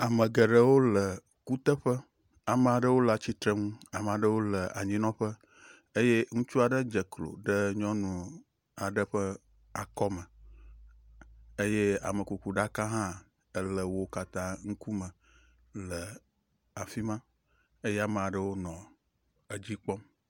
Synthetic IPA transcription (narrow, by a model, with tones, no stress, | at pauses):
a˨mə̃˨ɡə˨ɖə˦wo˦lə˨ | ku˦t̪ə˦ɸə˦ | a˨mə̃˨a˨ɖə˦wo˦la˨t͡ɕi˦t̪ɾe˦ŋũ˦a˨m˨a˨ɖə˦wo˦lə˨ʔa̰˨ɲĩ˦nɔ̃˦ɸə˦ | e˦je˦ŋũ˦t͡ʃu˦a˨ɖə˦d͡ʒə˨klo̰˨ɖə˦ɲɔ̃˦nũ˨ | a˨ɖə˦ɸə˦ | a˨kɔ˦mə̃˨ | e˦je˦a̰˨mə˨ku˨ku˨ɖa˦kã˦ɦã˦ | ə˨lə˨wo˦ka˦t̪ã˦ŋũ˦ku˦mə̃˨ | lə˨ | a˨fi˦mã˦ | e˦je˦a˨mə˨a˨ɖə˦wo˦nɔ̃˨ | ə˨d͡ʑi˦k͡pɔ˦m